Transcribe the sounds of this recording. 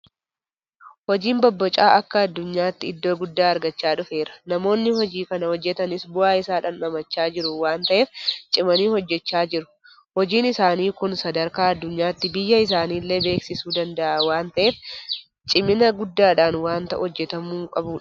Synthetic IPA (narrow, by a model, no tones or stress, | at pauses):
hɔd͡ʒiːmbɔbːɔt͡ʃʼaːʔɐkːɐɐd̪ːʊɲːaːt̪ːɪɪd̪ːoːɡʊd̪ːaːɐɾɡɐt͡ʃːaːᶑʊfe̞ːɾɐ̥nɐmo̞ːnːɪhɔd͡ʒiːkɐnɐhɔd͡ʒːɛt̪ɐnɪsbʊaːɪsaːᶑaːnɐmɐt͡ʃːaːd͡ʒɪɾʊwaːnt̪ɐʔe̞ːft͡ʃʼɪmɐniːhɔd͡ʒːɛt͡ʃːaːd͡ʒɪɾʊ̥ | hɔd͡ʒiːnɪsaːniːkʊnsɐd̪ɐɾkaːɐd̪ːʊɲːaːt̪ːɪbɪjːɐɪs̬aːniːlːe̞ːbe̞ːksɪsuːd̪ɐnd̪ɐʔaːwaːnt̪ɐʔe̞ːf | t͡ʃʼɪmɪnɐɡʊd̪ːaːᶑaːnwaːnt̪ɐʔɔd͡ʒːɛt̪ɐmuːkʼɐbuːᶑɐ̥